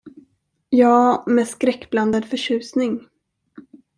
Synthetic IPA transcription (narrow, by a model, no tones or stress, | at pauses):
jɑːmeːd̪skɾɛkːbland̪əd̪fœɕʉ̟ːsnɪŋ